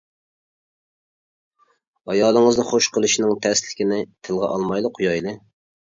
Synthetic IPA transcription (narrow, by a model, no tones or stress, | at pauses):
ɑjɑːlˠəŋəznɨχoʃqʰəlˠɨʃinɪŋt̪ʰɛslɪkʲɪnɪt̪ʰɨlˠʁɑ̰ʔɑlˠmɑjlˠɨqʰːʊjɑjlˠɨ